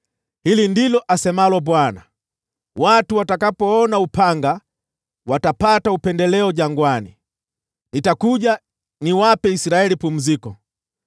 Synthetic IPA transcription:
hilindilɔʔasɛmalɔbwana | watuwatakapɔɔnaupaŋɡa | watapataupɛndɛlɛɔɟaŋɡwani | nitakuɟa | niwapɛisiɾaɛlipum̩zikɔ

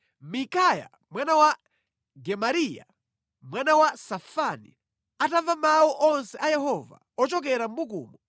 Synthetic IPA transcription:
mikaja̰ | mwanawa | ɡɛmaɾija̰ | mwanawasafanḭ | atavamawuʔɔnsɛʔajɛhɔva̰ | ɔt͡ʃɔkɛɾam̩bukṵːmɔ

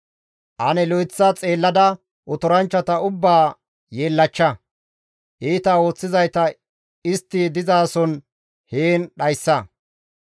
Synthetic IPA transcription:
ʔɐnɛlɔjt͡sːɐt͡sʼe̞ːlːɐd̪ɐ | ʔɔt̪ɔɾɐnt͡ʃːɐt̪ɐʊbːaː | jeːlːɐt͡ʃːɐ | ʔiːt̪ɐo̞ːt͡sːɪzɐjt̪ɐ | ɪst̪ːɪd̪ɪzaːsɔn | heːnɗɐjsːɐ

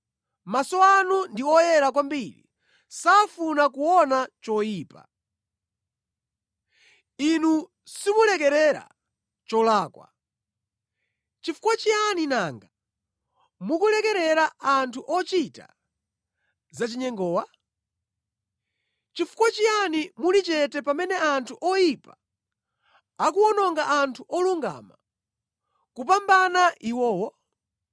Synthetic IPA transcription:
masɔanundiɔjɛɾak̬wambiɾḭ | safunakuwɔnat͡ʃɔjiːpa̰ | inu | simulɛk̬ɛɾɛɾa̰ | t͡ʃɔlaːkwa̰ | t͡ʃifu̥kwat͡ʃianinaŋɡa | mukulɛkɛɾɛɾaantʰuʔɔt͡ʃita̰ | zat͡ʃiɲɛŋɡɔːwa | t͡ʃifu̥kwat͡ʃianimulit͡ʃɛtɛpamɛnɛantʰuʔɔjipa | akuɔnɔŋɡaʔantʰuʔɔluŋɡa̰ma | kupambanaʔiwɔːwɔ

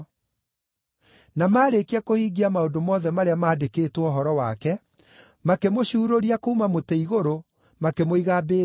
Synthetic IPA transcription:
namaːɾekeakohiːɡiamaodomɔðɛmaɾeamaːdekeːtwɔɦɔɾɔwakɛ | makemoɕuːɾoɾiakoumamoteiɣoɾo | makemoiɣabeː

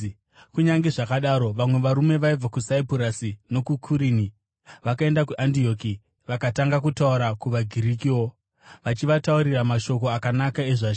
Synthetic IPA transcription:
kuɲaŋɡe̞ʐakaɗaːɾo̞ʋamwe̞ʋaɾume̞ʋaib͡vakusaipuɾasino̞kukʰuɾini | ʋakae̞ndakuʔandio̞ki | ʋakataŋɡak̬utauɾakuʋaɡʱiɾikiwo̞ | ʋat͡ʃiʋatauɾiramaʃo̞ko̞akanakae̞ʐaʃ

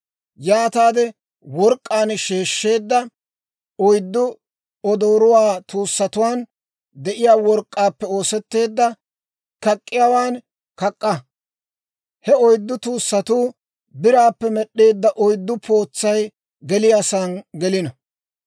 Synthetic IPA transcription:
jaːt̪aːd̪ɛ | wɔɾkʼːaːnʃe̞ːʃːe̞ːd̪ːɐ | ɔjd̪ːʊ | ɔd̪o̞ːɾʊwaːt̪uːsːɐt̪ʊwaːn | d̪ɛʔɪjaːwɔɾkʼːaːpːɛo̞ːsɛt̪ːe̞ːd̪ːɐ | kɐkʼːɪjawaːn | kɐkʼːɐ | hɛɔjd̪ːʊt̪uːsːɐt̪uː | bɪɾaːpːɛmɛɗːe̞ːd̪ːɐʔɔjd̪ːʊpʰo̞ːt͡sːɐj | ɡɛlɪjaːsaːnɡɛlɪnɐ

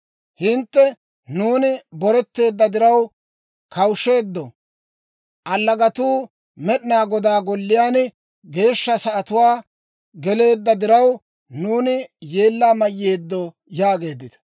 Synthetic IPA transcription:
hɪnt̪ːɛ | nuːnɪbɔɾɛt̪ːe̞ːd̪ːɐd̪ɪɾɐw | kʰɐwʃːe̞ːd̪ːɔ | ʔɐlːɐɡɐt̪uː | mɛɗɪnaːɡɔd̪aːɡɔlːɪjaːn | ɡe̞ːʃːɐsɐʔɐt̪ʊwaː | ɡɛle̞ːd̪ːɐd̪ɪɾɐw | nuːnɪjeːlːaːmɐjːe̞ːd̪ːɔ | jaːɡe̞ːd̪ːɪt̪ɐ̥

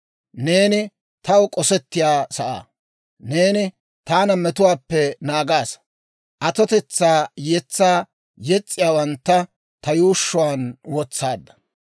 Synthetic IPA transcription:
neːnɪ | t̪ɐwkʼɔsɛt̪ːɪjaːsɐʔa̰ː | neːnɪ | t̪aːnɐmɛt̪ʊwaːpːɛnaːɡaːs | ʔɐt̪ɔt̪ɛt͡sːaːjɛt͡sːaː | jɛt͡sʼːɪjaːwɐnt̪ːɐ | t̪ɐjuːʃːʊwaːnwɔt͡sːaːd̪ːɐ̥

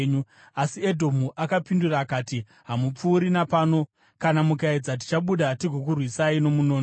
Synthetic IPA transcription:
ɲu | asiedʱo̞muʔakapinduraːkaːti | ɦamup͡fuːɾinapaːno̞ | kanamukaid͡zat̬i̥t͡ʃaɓuɗatiɡʱok̬urwisaino̞munoːn

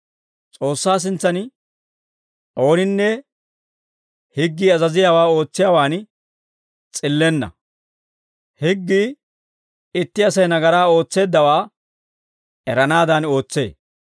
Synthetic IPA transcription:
t͡sʼo̞ːsːaːs̬ɪnt͡sːɐn | ʔo̞ːnɪnːɛ | hɪɡːiːɐzɐzɪjaːwaːo̞ːt͡sːɪjaːwaːn | t͡sʼɪlːɛnːɐ̰ | hɪɡːiː | ɪt̪ːɪɐsɐjnɐɡɐɾaːo̞ːt͡sːe̞ːd̪ːɐwaː | ɛɾɐnaːd̪ɐno̞ːt͡sːe̞̰ː

